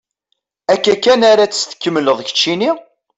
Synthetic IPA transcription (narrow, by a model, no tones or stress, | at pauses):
ækːækːænaɾat͡sːə̥st̪ə̥kːəmːələðˤçə̥t͡ʃːini